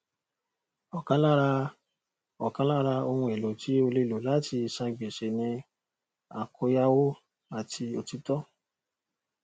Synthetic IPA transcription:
ɔ˨kã˨˦la˦ɾa˧ | ɔ˨kã˨˦la˦ɾa˧o˧hũ˧ɛ˨lo˨˦tʰi˨˦o˧le˧˨lo˨˦la˨˦ti˧˨sã˧ɡ͡be˨ʃe˨nĩ˧ | a˨kʰo˧ja˦wo˦ | a˨tʰi˧o˧ti˦tɔ˦

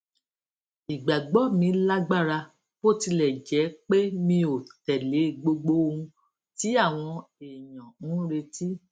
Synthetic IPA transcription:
i˨ɡ͡ba˨ɡ͡bɔ˨˦˨mĩ˧la˦ɡ͡ba˦˨ɾa˧ | fo˦˨ti˧lɛ˨d͡ʒɛ˨˦k͡pe˦mĩ˧o˨tɛ˨le˨˦˨ɡ͡bo˧ɡ͡bo˦˧ũ˧ | ti˨˦a˦˨w̃ɔ̃˧e˨jɔ̃˨ũ˦ɾe˧ti˦

